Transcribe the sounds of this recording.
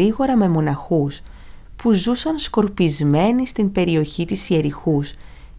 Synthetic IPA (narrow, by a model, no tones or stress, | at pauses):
iɣo̞ɾɐme̞mo̞nɐxus | puzusɐnsko̞ɾpizme̞nist̪imbe̞ɾio̞çit̪isieɾixus